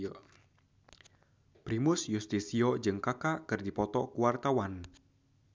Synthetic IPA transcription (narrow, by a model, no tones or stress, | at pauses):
pɾimʊsjust̪isiɔd͡ʒɨŋkakaʔkɨrdipɔt̪ɔkuwart̪awan